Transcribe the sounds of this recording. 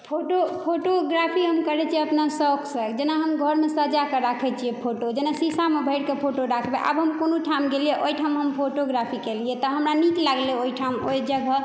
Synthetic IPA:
pʰoʈopʰoʈoɡɾapʰiɦəmkəɾɛt͡ʃʰieəpnasɔkʰsəkd͡ʒenaɦəmɡʱəɾmesəd͡ʒakeɾakʰɛt͡ʃʰijepʰoʈod͡ʒenasisamebʱəɪɽkepʰoʈoɾakʰbeʔə̰bɦəmkonoʈʰamɡelijeʔojʈʰamɦəmpʰoʈoɡɾapʰikeliet̪ɔɦəmɾaniklaɡleojʈʰamojd͡ʒəɡʱə

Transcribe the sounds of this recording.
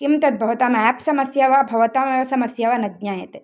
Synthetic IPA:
kimt̪ɐt̪̚bʱɐʋɐt̪aːmæːpsɐmɐsjaːʋaːbʱɐʋɐt̪aːmɐʋɐsɐmɐsjaʋanɐɡ̪ɲaːjɐ̰t̪e

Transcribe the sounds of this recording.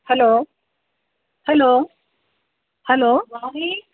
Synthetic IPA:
hɛloː | hɛloː | hɛloːwaɦi

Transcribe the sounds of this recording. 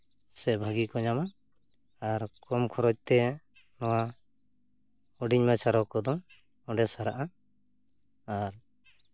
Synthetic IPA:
sɛbʱaɡikɔɲama | aɾkɔmkʰɔɾɔc̚t̪ɛ | nɔwa | ɔɖiɲmat͡ʃʰaɾɔkɔd̪ɔŋ | ɔɖɛsaɾaʔa | aɾ

